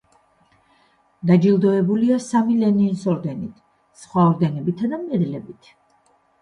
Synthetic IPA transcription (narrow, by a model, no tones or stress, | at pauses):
d̪ad͡ʒilˠd̪ɔɛbuliasamilɛninsɔɾd̪ɛnit̪ʰ | sχwaɔɾd̪ɛnɛbit̪ʰad̪amɛd̪lɛbit̪ʰ